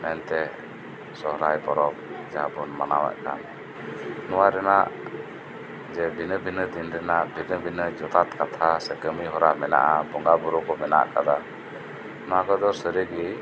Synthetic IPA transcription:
mɛnt̪ɛ | sɔɦɾajpɔɾɔp̚d͡ʒabɔnmanawɛ̰ʔka̰n | nɔwaɾɛnaʔ | d͡ʒɛbinəbinəd̪inɾɛnaʔbʱinəbinəd͡ʒɔt̪at̪kat̪ʰasɛkəmiɦɔɾaʔmɛna̰ʔabɔŋɡabuɾɔkɔmɛna̰ʔkad̪a | nɔwakɔd̪ɔɾsəɾiɡi

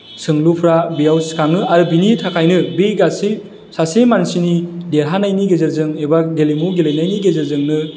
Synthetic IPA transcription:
sɯŋlupʰɾabijawsi̥kʰaŋɯaɾɯbinitʰakʰajnɯbiɡasi | sasemansinideɾɦanajniɡezeɾzɯŋebaɡelimuɡelenajniɡezeɾzɯŋnɯ

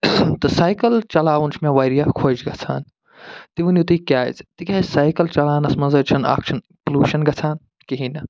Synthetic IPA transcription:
t̪ɐsaːjkɐlt͡ʃɐlaːʋunt͡ʃʰmẽʋaːɾijakʰoːd͡ʒɡɐt͡sʰaːn | t̪iʋunjut̪ikʲja̰ːzt̪ikʲɐisaːjkɐlt͡ʃɐlaːnɐsmɐnzɐt͡ʃʰɐna̰ːkʃɐnipluːʃɐnɡɐt͡sʰaːn | kiɦinɐ

